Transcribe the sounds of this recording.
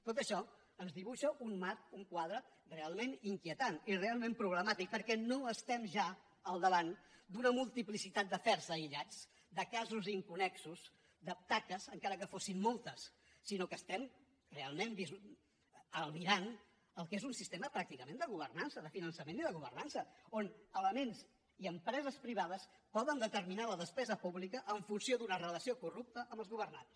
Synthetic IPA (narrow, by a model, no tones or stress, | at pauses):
t̪ot̪əʃɔ | ənzðiβuʃəʔunmat̪̚uŋkwað̞ɾə | realˠmeniŋkiət̪anirealˠmẽmpɾuβləmat̪ik̚pəɾkɛnoəst̪ɛmʒa | əlˠd̪əβand̪unəmulˠt̪iplisit̪at̪̚d̪əfɛɾzəiʎad͡z | d̪əkazuziŋkunɛksuz | d̪əp̚t̪akəzəŋkaɾəkəfosimːolˠt̪əsː | inokəst̪ɛm | realˠmenbiz | əlˠmiɾan | əlˠkezunsist̪eməpɾak̚t̪ikəmend̪əɣuβ̞ərnansəðəfinənsəmẽniðəɣuβərnansəonələmens | iəmpɾɛzəspɾiβ̞að̞əspɔðənd̪ət̪əɾminaləðəspɛzəpuβlikəʔːɱfunsiod̪unərələsiokurup̚t̪əʔəmbəlˠzɣuβ̞ərnans